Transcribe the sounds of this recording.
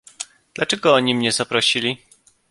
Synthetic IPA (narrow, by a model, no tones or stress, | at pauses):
d̪̥lat͡ʂɛɡɔɔɲimɲɛzapɾɔɕilʲi